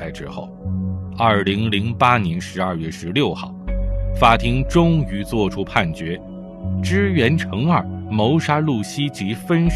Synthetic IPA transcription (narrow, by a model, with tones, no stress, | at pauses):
a˧˥ɪʈ͡ʂɻ̩˥xo̰˥˩ʊɐ˞˥˩li˧˥ŋli˧˥ŋpa˥njɛ˧˥nʂɻ̩˧˥ɐ˞˥˧ɥɛ˥˩ʂɻ̩˧˥ljo˥˧ʊxɑ˥˩ʊfa˥t̪ʰi˥ŋʈ͡ʂʊ˥ŋy˧˥t͡swɔ˥˩ʈ͡ʂʰu˥pʰa˥˩nt͡ɕɥɛ˧˥ | ʈ͡ʂɻ̩˥ɥɛ˧˥nʈ͡ʂʰɤ˧˥ŋə˞˥˩mo˧˥ʊʂa˥lu˥˩ɕi˥t͡ɕi˧˥fə˥n